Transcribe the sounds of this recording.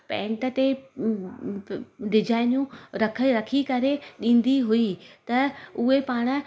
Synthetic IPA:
pɛ̃ːɳʈət̪e | ɖɪd͡ʑaːɪnjũɾɐkʰəɾɐkʰikɐɾeɗĩːn̆d̪iɦuit̪ɐʊɦepaːɽ̃ə̆

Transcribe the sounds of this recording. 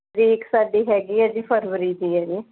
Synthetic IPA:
ɾiɪksaːɖiːɦɛːɡiːɛd͡ʒiːpʰəɾʋəɾiːd̪iːɦɛːɡiː

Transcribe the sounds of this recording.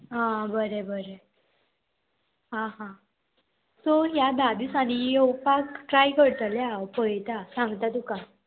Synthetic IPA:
ɦãbəɾebəɾe | ɦãɦã | t̪oɦjad̪ad̪isaɽ̃ijowpakʈɾajkəɽt̪əljawpəjt̪asãŋɡt̪at̪uka

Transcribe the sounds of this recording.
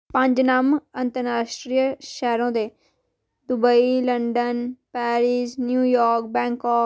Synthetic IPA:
pə̃ɲd͡ʒnaːmənt̪əɾaːʃʈɾijʃɛːɾõːd̪eː | d̪ʊbəiːləɳɖənpɛːɾiːsnjuːjɔːɾk̚bɛ̃ːŋkɔː

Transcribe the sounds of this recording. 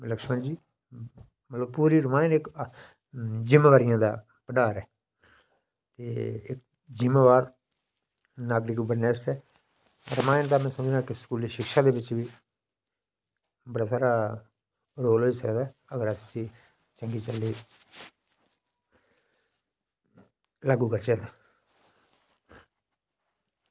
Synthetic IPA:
ləkʃmə̃nd͡ʒiː | mət̪ləb̚puːɾiːɾəmaːɪnɪk | d͡ʒɪmaːʋaːɾɪjãːd̪a̰ː | pəɖaːɾɛː | t̪eːɪk̚ | d͡ʒɪmeːʋaːɾ | naːɡɾikbənɛːsɛː | ɾəmaːɪnt̪aːmɛ̃ːsəməd͡ʒaːkɪskuːliːʃɪkʃaːd̪eːbɪt͡ʃʋiː | bəɽaːsaːɾaː | ɾoːlɦoːiːsəkd̪aːəɡəɾasĩː | t͡ʃəŋɡiːt͡ʃəlːiː | laːɡuːkəɾt͡ʃət̪aː

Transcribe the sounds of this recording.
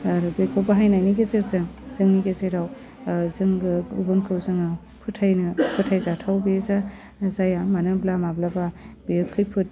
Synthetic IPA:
ɾubekʰowbaɦajnajniɡezeɾzɯŋzɯŋniɡezeɾaw | zɯŋɯubɯnkʰɯwzɯŋɯ | pʰɯtʰːajnɯpʰɯtʰajzatʰawbeza | zajamanɯblamablababeɯkʰːɯjpʰɯt̚

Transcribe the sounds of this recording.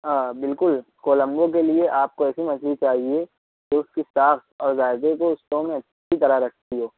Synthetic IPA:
aːbɪlkʊlkoːlə̃mbõk̬elieʔaːp̚koɛːsimɐd͡ʒʰlit͡ʃaːɦie | d͡ʒoʊskisaːxt̪ɔːɾzaːɪd̪ekoʊsʈ̪õmẽɐtːʃʰit̪ɐɾaɦɾɐk̚ʰt̪iɦoː

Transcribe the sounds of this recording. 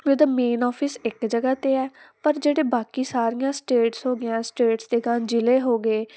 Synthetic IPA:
ed̪aːmeːnɔːpʰɪsɪkd͡ʒəɡaːt̪eːɛːpəɾd͡ʒeːɽeːbaːkiːsaːɾijãːsʈeːʈsɦoːɡɪjãːsʈeːʈsd̪eːɡaːnd͡ʒɪleːɦoːɡeː

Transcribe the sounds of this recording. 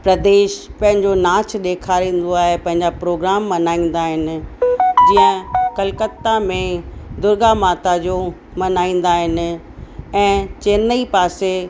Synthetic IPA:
pɾɐd̪eːʃpɐ̃ɦɪ̃ɲd͡ʑonaːt͡ɕɗ̪eːkʰaːɾĩːn̆d̪oaːɦepɐ̃ɦɪ̃ɲd͡ʑapɾoːɡɾaːmːɐnaːĩːn̆d̪aːɦɪnɪ̆d͡ʑiːə̃kɐlkət̪ːamẽd̪ʊɾɡamaːt̪ad͡ʑo | mɐnaːĩːn̆d̪aːɦɪnɪ̆ | ɛ̃ːt͡ɕeːnəipaːse

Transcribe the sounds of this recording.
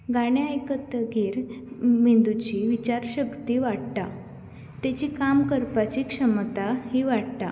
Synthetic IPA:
ɡaɽ̃jajkət̪əɡʱiːɾmind̪ut͡ɕiʋit͡ɕaɾɕəkt̪iːʋaɽt̪a | t̪at͡ɕiːkamkəɾpat͡ɕiːkʂəmt̪ahiːʋaɽt̪a

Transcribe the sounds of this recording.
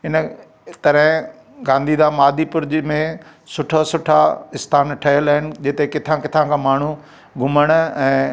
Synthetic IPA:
ɪn | t̪ɐɾɪ̃ | ɡãːnd̪iːd̪ãːmaːd̪ipʊɾɪd͡ʑmẽ | sʊʈʰosʊʈʰaɪst̪ʰaːnʈʰɐɦəlaːɦɪnɪ̆d͡ʑɪt̪ekɪt̪ʰãkɪt̪ʰãkʰãːmaːɳ̤u | ɡʱʊməɽ̃ɛ̃ː

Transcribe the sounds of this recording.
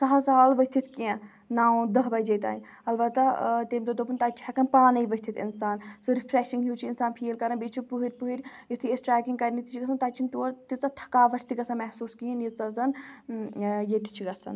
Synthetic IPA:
sɐɦɐsaːlʋɐt̪ʰit̪ʰkiẽ | naːũd̪ɐɦbɐjd͡ʒɐjt̪a̰ːinʲ | ɐlbɐt̪ːat̪eːmd̪ɐd̪opunt̪aːt͡ʃʰhɛkɐnpaːnɐiʋɐt̪ʰit̪ʰḭnsaːnsuɾipʰɾeʃiŋɡɦuːt͡ʃʰiɪnsaːnpʰiːlkɐɾɐnbeːt͡ʃʰupuɦiɾʲpuɦiɾʲjit̪ʰiesʈɾɛːkiŋɡkɐɾinit̪ʰi̥t͡ʃʰiɡɐsɐnt̪at͡ʃʰint̪oːɾt̪it͡sɐt̪ʰɐ̥kaːʋɐʈʰt̪iɡɐsɐnmɛɦsuːskijɐnjit͡sɐzɐn | jet̪ʰi̥t͡ʃʰiɡɐsɐ̰n

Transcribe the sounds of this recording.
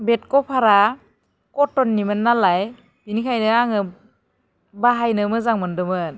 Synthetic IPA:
bet̚kɔpʰaɾa | kɔtːɔnːimɯnːalaj | binikʰajnɯaŋɯ | baɦajnɯmɯzaŋmɯndɯmɯn

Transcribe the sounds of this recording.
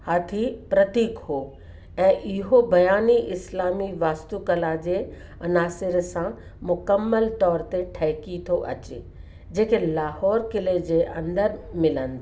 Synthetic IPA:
haːt̪ʰipɾɐt̪iːkhoː | ɛ̃ːʔɪɦobɐjaːniʔɪslaːmiʋaːst̪ukɐlad͡ʑe | ɐnaːsɪɾsã | mʊkəmːəlt̪ɔːɾt̪eʈʰɛːkit̪ʰoʔɐ̰t͡ɕe | d͡ʑeːkelaːhɔːɾkɪled͡ʑeʔɐ̃nd̪əɾmɪlənd̪

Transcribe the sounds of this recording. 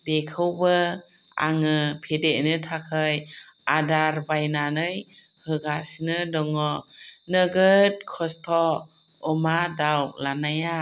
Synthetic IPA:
bekʰɯwbɯ | a̰ŋɯpʰedeʔnɯtʰakʰɯjadaɾbajnanɯj | hɯɡasinɯdɔŋɔnɯɡɯt̚kʰɔstʰɔ | ɔmadawlanaja

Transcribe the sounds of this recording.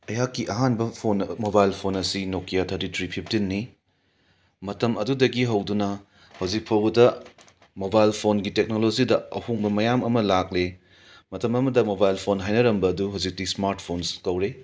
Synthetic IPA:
ɐjakːiʔɐɦanbɐpʰonmobajlpʰonɐsinokʰːijatʰɐɾtitʰɾipʰipʰtinːi | mɐtɐmɐdudɐɡiɦɐwdunɐ | hɐwd͡ʒik̚pʰɐwɐdɐ | mobajlpʰonɡitek̚nolod͡ʒidɐɐhuŋbɐmɐjamɐmɐlakle | mɐtɐmɐmɐdɐmobajlpʰonɦajnɐɾɐmbɐːduɦɐwzik̚tismaɾt̚pʰonskɐwɾe

